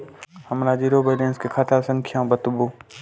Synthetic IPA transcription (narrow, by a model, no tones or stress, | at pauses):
həmɾad͡ʒiɾoːbəːlẽːnskekʰat̪asə̃ŋkʰjãbət̪boː